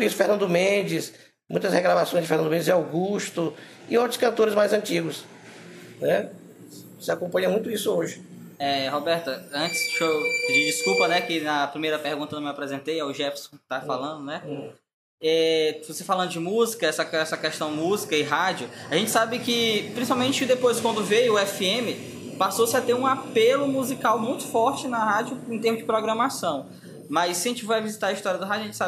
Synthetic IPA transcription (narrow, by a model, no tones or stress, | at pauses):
ʊisʊfehnɐ̃nd̪ʊmẽd͡ʒɪs | mũj̃t̪ɐsheɡɾavasõj̃zd͡ʒɪfehnɐ̃d̪ʊmẽd͡ʒzd͡ʒawɡuʃt̪ʊ | ɪõwt̪ɾʊ̥skɐ̃nt̪oɾɪzmajzɐ̃t͡ʃiɡʊs | nɛ | sɪakõpɐ̃ɲ̃ɐ̃mũj̃t̪ʊisʊoʒɪ | ɛɦobɛɾt̪ɐɐ̃t͡ʃɪ̥sʃopɪd͡ʒid͡ʒiskupɐnɛkɪnɐpɾimejɾɐpehɡũt̪ɐñwapɾɛzẽnt̪ejawʒɛpsõ̥kɪ̥t̪afalɐ̃nd̪ʊnɛ | ɛvosefalɐ̃nd̪ʊd͡ʒɪmuzikɐɛsɐɛsɐkɛʃt̪ɐ̃w̃muzikɐɪɦad͡ʒʊaʒẽnt͡ʃɪ̥sabɪkɪpɾĩs̬ipawmẽt͡ʃɪkɪd̪epojskwɐ̃nd̪ʊvejʊʊɛfiẽmɪ | pasosɪat̪eɾũapelʊmuzikawmũj̃t̪ʊ̥fɔɾt͡ʃɪnɐɦad͡ʒjʊẽt̪ẽmʊzd͡ʒɪpɾɔɡɾɐ̃masɐ̃w̃ | mɐjsːɐʒẽt͡ʃɪfojɐvizit̪aɾɐist̪ɔɾijɐd̪ʊɦad͡ʒʊɐʒẽt͡ʃɪsab